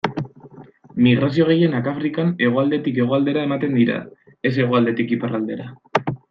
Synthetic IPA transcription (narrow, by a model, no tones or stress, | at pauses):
miɣ̞ɾas̬io̞ɣ̞e̞je̞nakafɾikane̞ɣ̞o̞ald̪e̞t̪ike̞ɣ̞o̞ald̪e̞ɾae̞mat̪e̞nd̪iɾa̰ | e̞s̬e̞ɣ̞o̞ald̪e̞t̪ikiparald̪e̞ɾa